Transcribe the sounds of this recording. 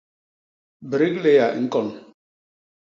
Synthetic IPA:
bɾi˦kle˦ja˨ʔŋ̩˦kɔ˦˨n˨

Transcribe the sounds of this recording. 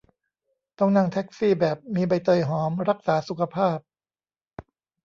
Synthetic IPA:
t̪ɔ˥˩ŋna˥˩ŋt̪ʰɛ˦˥k̚siː˥˩bɛː˨˩p̚miː˧ba˧jt̪ɤː˧˩jɦɔː˩˦mɾa˦˥k̚saː˩˦su˨˩kʰa˧pʰaː˥˩p̚

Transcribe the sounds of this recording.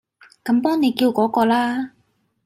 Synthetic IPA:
kɐ˨˧˥mpɔː˥ŋne˨˧jkiː˧wkɔː˨˥kɔː˧laː˥

